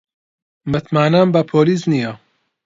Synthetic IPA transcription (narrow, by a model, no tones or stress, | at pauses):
mɨt̪ʰmaːnambɐpʰoːlisnija